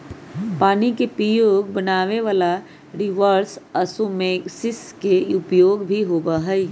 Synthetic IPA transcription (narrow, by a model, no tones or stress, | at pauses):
paːnikepɾəjoːɡbənaːʋeʋaːla | ɾɪʋəɾsəsumẽːksɪskeʊpjoːɡbʱiɦoːbaɦɛi